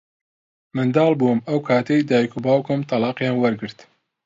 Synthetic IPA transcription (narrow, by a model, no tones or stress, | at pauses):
mɨnd̪ɑːlˠbuɨmɐwkʰaːt̪ʰejd̪aːjkubɑːwkomt̪ʰɑlɑːqjɑːnwɐɾɡɨɾt̪